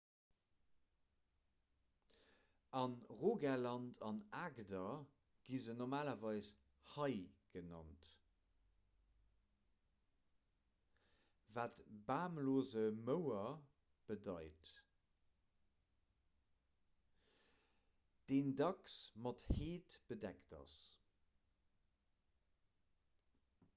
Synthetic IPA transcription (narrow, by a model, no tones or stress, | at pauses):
ɑnʁoːɡɛlɑntʰɑnaːɡdɐ | ɡ̥izənoʁmaːlɐvɑɪs | hɑɪɡ̥ənɑ̰nt | vaːtbaːmloːzəməʊɐ | b̥ədɑɪt | d̥eːndɑksmɑtheːtb̥ədɛktɑ̰s